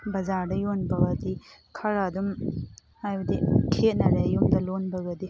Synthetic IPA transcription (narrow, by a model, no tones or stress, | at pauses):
bɐzaɾdɐjonbɐɡɐdi | kʰɐɾadum | hajbɐdikʰet̚nɐɾejumdɐlonbɐɡɐdi